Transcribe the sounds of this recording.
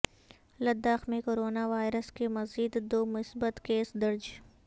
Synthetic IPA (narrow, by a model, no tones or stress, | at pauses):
lɐd̪ːaːxmẽkoːɾoːnaʋaːɪɾəskemɐziːd̪d̪oːmʊsbət̪keːsd̪ɐɾd͡ʒ